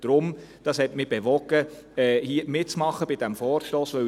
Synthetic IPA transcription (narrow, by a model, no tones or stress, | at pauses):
d̥ɾʊmd̥ɑshɛtmɪb̥eʋɔɡ̥ə | ɛhiəmɪt̚t͡smɑχːəb̥ɪd̥æmfɔːɾʃtoːsʋœ